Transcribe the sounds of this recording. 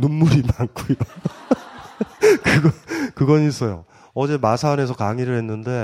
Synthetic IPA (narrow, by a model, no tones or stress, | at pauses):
nummuɾinaŋkʰoida | kɯɡʌkɯɡʌnis͈ʌjo̰ | ʌd͡ʑe̞masʰane̞s̬ʰʌkaŋiɾɯɭhe̞nːɯnde̞